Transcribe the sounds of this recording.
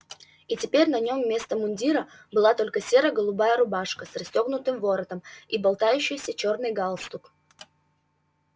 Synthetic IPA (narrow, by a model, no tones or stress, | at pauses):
itʲɪpʲeɾʲnɐnʲo̞mːʲe̞st̪əmʊnʲdʲiɾə | bɨlˠat̪o̞lʲkəsʲe̞ɾəɡəlˠʊbajəɾʊbaʂkəsrɐsʲtʲoɡnʊt̪ɨmvo̞ɾət̪əmibɐlˠt̪ajʉɕːɪjsʲət͡ɕo̞rnɨjɡalˠst̪ʊk